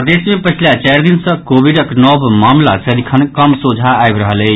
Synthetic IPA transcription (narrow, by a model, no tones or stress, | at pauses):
pəd̪esmepət͡ʃʰilat͡ʃajɾd̪insə̃kobiɖəknɔbmamlasəɾikʰənkəmsud͡ʒʱaːjbɾəɦələ